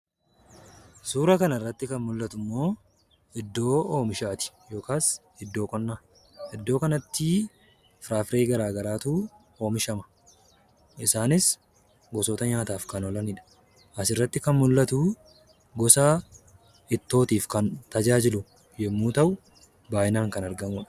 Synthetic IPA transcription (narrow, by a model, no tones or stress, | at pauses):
suːɾɐkɐnɐrːɐt̪ːɪkɐnmʊlːɐt̪ʊmːo̞ː | ɪd̪ːo̞ːoːmɪʃaːt̪ɪ̥ | jo̞ːkaːs | ɪd̪ːo̞ːkʼɔnːaː | ʔɪd̪ːo̞ːkɐnɐt̪ːɪ | fɾaːfɾe̞ːɡɐɾaːɡɐɾaːt̪uː | o̞ːmɪʃɐmɐ̥ | ʔɪsaːnɪs | ɡɔsɔːt̪ɐɲaːt̪aːfkɐnɔlɐnɪᶑɐ̥ | ʔɐsɪrːɐt̪ːɪkɐnmʊlːɐt̪uː | ɡɔsaː | ɪt̪ːo̞ːt̪iːfkɐnt̪ɐd͡ʒaːd͡ʒɪlʊ | jɛmːuːt̪ɐʔʊ | baːʔɪnaːŋkɐnɐɾɡɐmuːᶑɐ̥